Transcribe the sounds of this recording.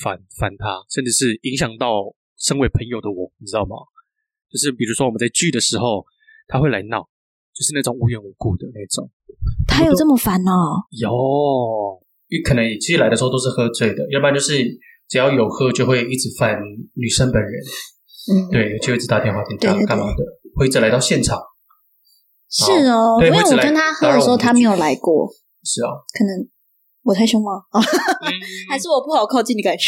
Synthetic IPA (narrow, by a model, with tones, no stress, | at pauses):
fa˧˦nfa˧˥nt̪ʰa˦ʂə˥˧nʈ͡ʂɻ̩˥˧˩ʂɻ̩˥˩i˧˥ŋɕ̬jɑ˨˩ŋt̪ɑ˥˩ʊ | ʂə˥ŋwe˧˥ɪpʰə˧˥ŋjo˨˩ʊd̪ə˦wɔ˨˩˦ŋni˨˩ʈ͡ʂɻ̩˥ɑ˥˩ʊmɐ̰˨ | t͡ɕjo˥˧ʊʂɻ̩˥˩pi˨˩ɻu˧˥ʂwɔ˥wmə˦t͡sa˥˧ɪt͡ɕy˥˩d̪ə˩ʂɻ̩˧˥xo˥˧ʊ | t̪ʰa˥xwe˥˩la˧˥ɪnɑ˥˩˦ʊ | t͡ɕjo˥ʊʂɻ̩˥˧na˥˩ʈ͡ʂo˨˦ŋu˧˥ɥɛ˨˩nu˧˥ku˥˩d̪ə˩na˥˩ʈ͡ʂʊ̰˨˩˦ŋ | t̪ʰa˥jo˨ə˥˩mə˨˩fa˧˥nɐ˥˧jo˨˩ | y˥kʰə˨˩nə˧˦ŋi˨˩t͡ɕʰi˧˥˧a˥ɪdə˧o˥˧˩t̪o˥ʂ̩˥˩xɤ˥˧t͡swe˥˩ɪd̪ə˩jɛ˧˥pa˥nt͡ɕo˥˧ʂɻ̩˥˩ | ʈ͡ʂ̩˨˩jɑ˥˩ʊjo˨˩ʊxɤ˥t͡ɕjo˥˧ʊxwe˥˧ɪi˥˩ʈ͡ʂɻ̩˧˥˦fa˥˩nny˨˩ʂə˥npə˨˦nɻə˧˦n | n̩˥˩t̪we˥˩ɪjo˧˩t͡ɕo˥˧we˥˧˥ɻ̩˧t̪a˥˧t̪jɛ˥˧nxwa˥˧˩i˥˧˩we˥˧˥ka˥˩d̪ə˦we˥˧i˥ʈ͡ʂɻ̩˩la˧ɪt̪ɑ˥˧ʊɕjɛ˥˩nʈ͡ʂʰɑ˨˩˦ŋ | ʂɻ̩˥˩we˥˧˥we˥˩˨wɔ˨˩lkə˥nt̪ʰa˥xɤ˧˥d̪̩˨˩˨o˥˧ʊt̪ʰa˥me˧˥jo˨˩ʊla˧˥ɪkwɔ̰˥˩ | ʂɻ̩˥˩ɐ̰˨˩kʰɤ˨˩nə˧˥ŋ | wɔ˨˩t̪ʰa˥˩ɪɕo˥ŋmɐ˨˩˧ | xa˧˥ɪʂ̬ɻ̩˥˩wɔ˨˩pu˥˩xɑ˨˩ʊkʰɑ˥˧ʊt͡ɕi˥˧ni˧˥ka˨˩ɪ